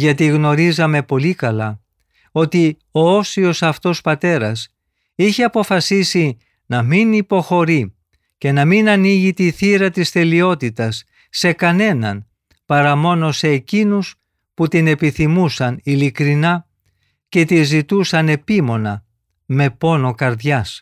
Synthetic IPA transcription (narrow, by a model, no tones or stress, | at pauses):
ʝɐt̪iɣno̞ɾizɐme̞po̞likɐlɐ | o̞t̪i | o̞osio̞sɐft̪o̞spɐt̪e̞ɾɐs | içe̞ɐpo̞fɐsisi | nɐminipo̞xo̞ɾi | ce̞nɐminɐniʝit̪iθiɾɐt̪ist̪e̞lio̞t̪it̪ɐsː | e̞kɐne̞nɐ̰n | pɐɾɐmo̞no̞se̞ːcinus | put̪ine̞piθimusɐnilikɾinɐ | ce̞t̪izit̪usɐne̞pimo̞nɐ | me̞po̞no̞kɐɾðʝɐs